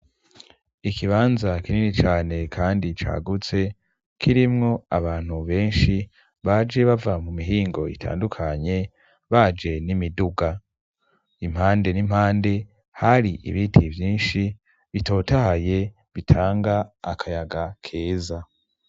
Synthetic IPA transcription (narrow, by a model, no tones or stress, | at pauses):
ikʰiβaːnzakininit͡ʃaːne̞kʰaːndit͡ʃa̰ːɡut͡se̞ | kʰiɾimŋo̞a̰βaːn̥huβe̞ːnʃi | βaːd͡ʒe̞βavamumiɦiːŋɡo̞ḭtʰa̰ːndukʰaɲe̞ | βaːd͡ʒe̞nimiduɡa | im̥haːnde̞nim̥haːnde̞ | haɾiʔḭβitʰivjiːnʃi | βito̞ːtahaje̞ | βitʰaːŋɡaːkʰajaɡakʰe̞ːza